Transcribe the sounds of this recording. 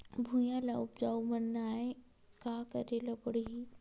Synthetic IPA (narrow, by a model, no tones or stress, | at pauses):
bʱujãlaʊp̚d͡ʒaːumənːaːẽ | kaːkəɾelɐbəɽɦi